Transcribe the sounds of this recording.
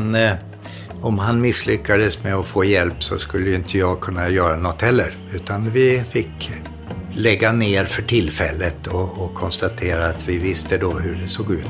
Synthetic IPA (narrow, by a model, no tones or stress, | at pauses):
n | ɔmɦanmɪslʏkːad̪əsmɛɔfoːjɛlpsɔ̰skɵlːəjɵɪnt̪ʰəjɑːɡkʰɵnːajœːɾanɔt̪ːhɛlːəɾ | ʉ̟ːt̪ʰanvɪfɪkː | lɛɡːaneːɾfœʈʰɪlfɛlːət̪ʰɔːkʰɔnst̪at̪ʰeːɾaːt̪vɪvɪst̪əd̪oːɦɵɖɛsoːɡʉ̟ːt̪